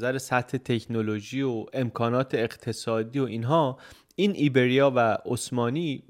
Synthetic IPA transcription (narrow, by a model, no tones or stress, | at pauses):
zæɾesæt̪he̞t̪ʰe̞cʰnoloʒiːoe̞mkʰɒːnɒːt̪ʰe̞ːqt̪ʰe̞sɒːd̪iːo̞ʔiːnɦɒː | iːnʔiːbe̞ɾijɒːvæosmɒːniː